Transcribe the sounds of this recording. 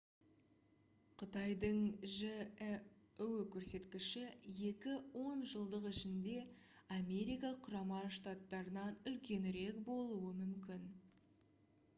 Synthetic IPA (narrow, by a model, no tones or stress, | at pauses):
qʰʊt̪ɑjd̪əɴʒɪ | ʉwkʲʰɵɾse̞t̪kʲɪʃɪje̞kʲɪwo̞nʒəlˠd̪əqɪʃɪnd̪e̞ | ame̞ɾijkɑqʰʊɾɑmɑʃt̪at̪ːɑɾənɑnʏlkʲe̞nɪɾe̞kbo̞lˠuwəmʏmkʲɪn